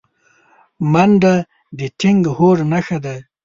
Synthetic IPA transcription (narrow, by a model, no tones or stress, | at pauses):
manɖa | d̪ɪtʰɪŋɡhoɾnaxad̪a